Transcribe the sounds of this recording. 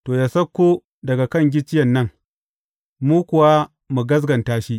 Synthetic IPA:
toː˨jaː˨sɐ˦kʷːu˦ | dɐ˨ɡa˨kɐ˦˨ŋɡʲɪ˦t͡ʃɪ˦jɐ˨nːɐ˦ŋ | muː˦kʷʊ˨wa˦ | mu˨ɡɐ˦z̬ɡɐ˨ntaː˦ʃi˦ʔ

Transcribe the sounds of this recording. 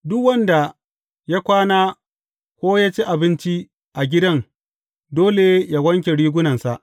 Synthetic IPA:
dʊ˦kwɐ˦nda˨ | ja˦kʷaː˦naː˦ | kʷoː˦jaː˦t͡ʃi˦ʔa˨bɪ˦nt͡ʃi˦ | ʔa˨ɡʲɪ˦dɐ˦ŋ | doː˦le˨ja˦ɡʷɐ˦ŋk̬ʲe˨ɽiː˦ɡʷʊ˦nɐ˨nsa˨ʔ

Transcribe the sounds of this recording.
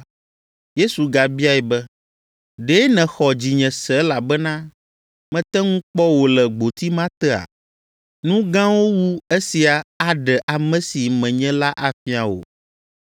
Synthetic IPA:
je˦su˨ɡa˨bi˦a˦ɛ˨bɛ˦ | ɖe˦nɛ̃˨xɔ˨d͡ʑi˨ɲɛ̃˨sɛ˨˦la˨bɛ˦nã˦ | mɛ̃˨˦t̪ɛ˦ŋũ˦k͡pɔ˦wo˨lɛ˨ɡ͡bo˨t̪i˦mã˦t̪ɛ˦a̰˨ | nũ˦ɡã˦wo˦wu˦e˦si˨a˨a˦ɖɛ˨ʔa˨mɛ̃˦si˨mɛ̃˨ɲɛ̃˦la˦ʔa˨fi˦a˨wo̰˨

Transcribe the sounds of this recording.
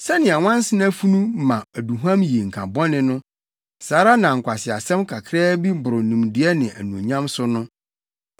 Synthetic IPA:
sɛ˦nɪ̃˨a˨wã˦n̩˦sɪ˦na˦fu˦nũ˦mã˨æ˨du˨ɦã˦mji˨ŋ̩˨kʰa˨bɔ̃˦nɪ̃˦nʊ̃˦ | saː˨˦ɾa˦nã˨ŋ̩˨kʷʰa˨sɪ˨a˨sɛ̃˦mkʰa˨kʰɾɛː˦bi˦bʊ˨ɾʊ˨nũ˨mdɪ˨ɛ˦nɪ̃˨ʔæ̰˨nũ˨ɲã˦msʊ˦nʊ̃˦

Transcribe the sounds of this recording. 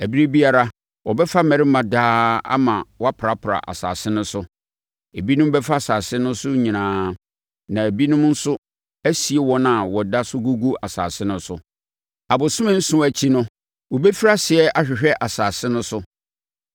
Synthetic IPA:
æ˨bi˦ɾe˦bi˦a˨ɾa˦ | wɔ˨bɛ˦fa˦mæ̃˨ɾɪ˦mã˨daː˦a̰˦mã˨wɔ˦a˦pʰɾa˨pʰɾa̰˨ʔa̰˨sa̰ː˨sɪ˦nʊ̃˦sʊ˦ | e˨bi˦nʊ̃˦m˦bɛ˦fa˦a˨saː˨sɪ˦nʊ̃˦sʊ˦ɲĩ˨nãː˨˦ | nã˨æ˨bi˦nʊ̃˦m˦n̩˦sʊ˦ | æ˦si˨e˦wɔ˦nã˨wɔ˨da˦sʊ˦ɡu˦ɡu˦a˨sa̰ː˨sɪ˦nʊ̃˦sʊ˦ | a˨bʊ˨sʊ̃˦mɪ̃˦n̩˦sʊ̃˦æ˨t͡ɕʰi˦nʊ̃˦ | wɔ˨bɛ˦fi˦ɾa˦sɪ˨ɛ˦ʔa˨ɕᶣɪ˨ɕᶣɛ˦ʔa˨saː˨sɪ̃˦nʊ̃˦sʊ˦

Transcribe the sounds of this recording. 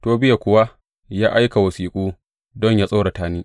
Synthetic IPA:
toː˨bɪ˦ja˨kʷʊ˦wa˦ | jaː˦ʔa˦jka˨wɐ˨siː˨kʷʼuː˦ | dɔ˦ɲjaː˦sʼa˦ɽa˨taː˦niː˦

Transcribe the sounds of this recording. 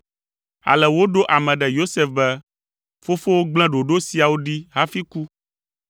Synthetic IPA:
a̰˨lɛ˨wo˦ɖo˦ʔa˨mɛ̃˨ɖɛ˨jo˦sɛ˦fbɛ˦ | fo˦fo˦wo˦ɡ͡bl̃ɛ̃˦ɖo˨ɖo˦si˨a˨wo˦ɖi˦ɦa˦fi˦ku˦

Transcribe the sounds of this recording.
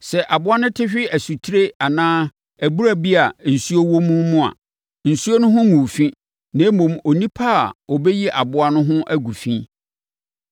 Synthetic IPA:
sɛ˨ʔa˨bʊ˦a˦nʊ̃˦tʰɪ˦ɕᶣɪ˦æ˨su˨tʰi˦ɾe˦a˨nãː˦ | æ˨bu˦ɾa˦bi˦a˨n̩˨su˦o˦wo˦mʊ̃˦mʊ̃˦a̰˨ | n̩˨su˦o˦nʊ̃˦ɦʊ̃˦mũ˨fĩ˦ | nã˨˦mʊ̃˨mo˨nĩ˦pʰa˦˨ɔ˨bɛ˦ji˦ʔa˨bʊ˦a˦nʊ̃˦ɦʊ̃˦ʔæ˦ɡu˨fĩ˦

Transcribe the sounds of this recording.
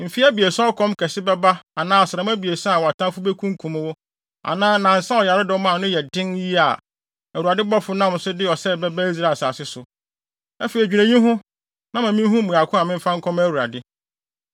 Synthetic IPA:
m̩˨fi˦æ˦bi˨e˨sa˦ɔ˦kʰɔ̃˦mkʰɛ˨sɪ˦bɛ˦ba˦a˨nãː˦ɔ˨sa˨m˦æ˦bi˨e˨sa˦a˨wɔ˨a˨tʰã˦fʊ˦bɛ˦kʰũ˦ŋ˦kʰũ˨m˦wʊ˦ | a̰˨nãː˦nã˨n̩˨sã˦ɔ˨ja˨ɾɪ˦dɪ˨wɔ˦mã˦˨nʊ̃˦jɛ˨dɪ̃˦nji˦a˨ | æ˨wu˨ɾa˨dɪ˦bɔ˦fʊ˦nã˦m˨sʊ˦dɪ˦ɔ˨sɛ˦˨bɛ˦ba˦i˦s̬ɾa˨sa˨sɪ˦sʊ˨ | ɛ˦fe˨ɾi˨d͡ʑᶣi˨næ̃˨ɲĩ˦ɦʊ̃˦ | nã˦mã˨mĩ˦ɦũ˦mũ˨a˨kʰʊ̃˦a˨mɪ̃˦m̩˦fã˦ŋ̩˦kʰɔ̃˦mæ˦wu˨ɾa̰˨dɪ˦

